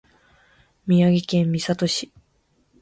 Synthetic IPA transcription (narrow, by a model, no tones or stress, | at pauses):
mʲiaɡikẽ̞mːʲisat̪o̞ɕi̥